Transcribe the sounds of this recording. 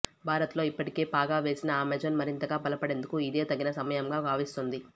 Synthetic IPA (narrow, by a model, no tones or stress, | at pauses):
bʱaːɾɐt̪lo̞ːipːɐʈike̞ːpaːɡaːʋe̞ːsinɐaːmeːd͡ʒɐnmɐɾint̪ɐɡaːpɐlɐpɐɽe̞ːnd̪ukuid̪e̞ːt̪ɐɡːinɐsɐmɐjɐmɡaːbʱaːʋist̪und̪i